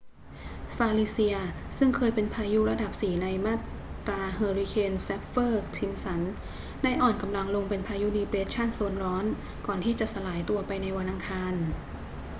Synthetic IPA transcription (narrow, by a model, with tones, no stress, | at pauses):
faː˧liː˧˥si˧ɐsɯ˥˩ŋkʰɤː˧jpe˧npʰaː˧ju˦˥ɾa˧da˨˩p̚siː˨˩˦na˧jmaː˥˩t̪ː | ɾaː˧hɤː˧ɾi˧˥kʰeː˧nsɛ˦˥p̚fɤː˥˩t̪ʰi˧msa˩˦n | da˥˩jʔɔː˨˩nka˧mla˧ŋlo˧ŋpe˧npʰaː˧ju˦˥diː˧pɾeː˦˥t̪̚t͡ɕʰa˥˩nso˧nɾɔː˦˥n | kɔː˨˩nt̪ʰiː˥˩t͡ɕa˨˩ʔsa˧laː˩˦jt̪u˧ɐpa˧jna˧jwa˧nʔa˧ŋkʰaː˧n